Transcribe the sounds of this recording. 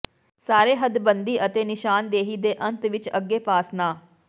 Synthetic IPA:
saːɾeːɦəd̪bənd̪iːʔət̪eːnɪʃaːnd̪eːɦiːd̪eːʔənt̪ʋɪt͡ʃəɡːeːpaːsnaː

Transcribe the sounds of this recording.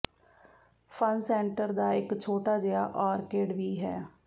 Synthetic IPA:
pʰənsɛːɳʈəɾd̪aːɪkt͡ʃʰoːʈaːd͡ʒɪa̰ːʔɔːɾkeːɖʋiːɦɛː

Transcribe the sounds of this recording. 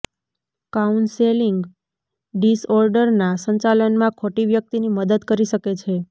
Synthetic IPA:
kaunseliŋɡ | ɖisɔɾɖəɾnasəɲt͡ʃalənmãkʰoʈiʋjək̚t̪iniməd̪əd̪kəɾiʃəket͡ʃʰe

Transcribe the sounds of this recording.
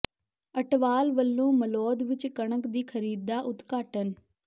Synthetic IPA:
əʈʋaːlʋəlːõːməlɔːd̪ʋɪt͡ʃkəɳəkd̪iːkʰəɾiːd̪aːʔʊt̪kaːʈən

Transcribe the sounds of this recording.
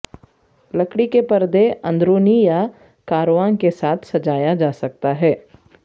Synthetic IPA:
lɐkɽikepɐɾd̪eɐ̃nd̪ɾoːnija | kaːɾoʋaːnkesaːt̪ʰsɐd͡ʒaːjad͡ʒaːsɐk̚t̪aɦɛː

